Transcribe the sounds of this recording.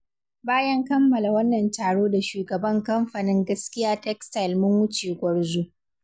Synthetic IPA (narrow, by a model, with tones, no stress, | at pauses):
baː˦jɐ˦ŋkɐ˦mːɐ˨la˨wɐ˦nːɐ˨ntaː˨ɽoː˦da˨ʃuː˨ɡɐ˨bɐ˦ŋkɐ˦mɸa˨nɪ˦ŋɡɐ˦skʲɪ˦jaː˦tɛ˦ksta˨jlmʊ˦ŋwʊ˦t͡ʃeː˨ɡʷɐ˦ɽzuː˦